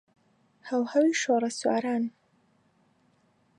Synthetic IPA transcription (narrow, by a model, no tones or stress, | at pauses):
hɐwhɐwiʃoːɾɐswa̰ːɾaːn